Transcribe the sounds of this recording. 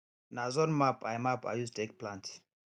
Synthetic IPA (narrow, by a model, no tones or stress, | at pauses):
nazɔnmapajmapa̰justtʰek̚plãnt